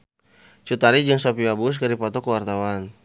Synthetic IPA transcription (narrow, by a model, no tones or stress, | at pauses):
t͡ʃut̪aɾid͡ʒəŋsapiabus̬kaɾipat̪ɔkəwart̪awan